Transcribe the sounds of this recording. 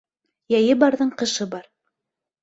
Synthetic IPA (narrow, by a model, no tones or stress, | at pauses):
jæjɘbɑɾðɤɴqɤ̆ʃɤbɑɾ